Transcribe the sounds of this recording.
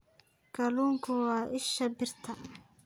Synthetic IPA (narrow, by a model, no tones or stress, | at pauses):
ɡ̥ɐluːŋkʰʊwɑːʔɪʃɐbɪrt̪ʰɐ